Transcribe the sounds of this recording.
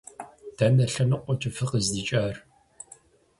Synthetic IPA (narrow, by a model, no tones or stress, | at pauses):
d̥ɐnɐɬɐnɨqʷʼɔt͡ʃʼɐfɨqəzdiːt͡ʃʼaːr